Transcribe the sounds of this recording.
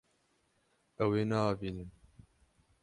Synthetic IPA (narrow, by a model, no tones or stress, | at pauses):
ɛweːnɑːbiːnɨm